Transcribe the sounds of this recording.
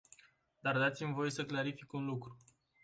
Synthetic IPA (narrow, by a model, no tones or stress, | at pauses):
d̪ard̪at̪simvo̞je̞səklaɾifikunlukɾu